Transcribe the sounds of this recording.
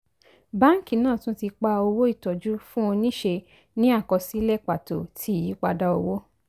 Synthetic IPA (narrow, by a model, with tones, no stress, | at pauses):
ba˦ŋ̩˦˨ki˦˨nãː˦˨tũ˦ti˧k͡pa˧o˧wo˦i˦˨tɔ˨d͡ʒu˦fũ˦o˧nĩ˦ʃe˧ | nĩ˦a˦˨kɔ˧si˦lɛ˦˨k͡pa˨to˨tʰi˨˦˨ji˨˦k͡pa˧da˦o˧wo˦